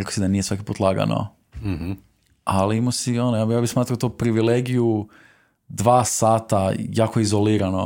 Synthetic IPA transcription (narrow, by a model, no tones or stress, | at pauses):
ɾekosid̪anije̞sʋakipuːt̪lˠaɡa̰no̰ | aliimosionojajaːbismaːt̪ɾaot̪opɾiʋileɡiju | d̪ʋaːsaːt̪ajaːkoizoliːɾano